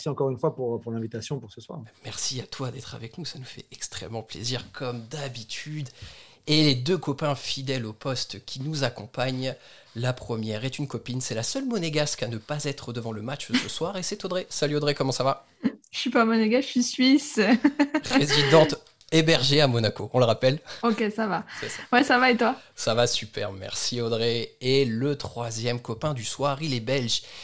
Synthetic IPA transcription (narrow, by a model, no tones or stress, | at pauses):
siɑ̃kɔʁynfwapuʁpuʁlɛ̃vit̪asjɔ̃puʁsəswa̰ːʁmɛʁsiat̪wad̪ɛt̪χa̰vɛknusanufɛ̰ɛkst̪χɛ̰mːɑ̃plḛziʁkʰɔmd̪abit̪ʰyd̪ | eled̪økɔpɛ̃fid̪ɛlopɔst̪kʲinuzakɔ̃paɲ | lapχəmjɛʁet̪ynkɔpinsɛlasœlmɔneɡaskanəpazɛt̪χəd̪əvɑ̃ləmat͡ʃsəswaʁesɛt̪od̪ʁesalyod̪ʁekɔmɑ̃sava | ʃɥipamɔneɡaʃisɥis | ʁezid̪ɑ̃t̪ | ebɛʁʒeamɔnakoɔ̃ləʁapɛlokʲesavasɛsawɛsavaet̪wasavasypɛ̰ʁmɛ̰ʁsiɔd̪ʁeelət̪χwazjɛmkɔpɛ̃d̪yswaʁilɛbɛlʒ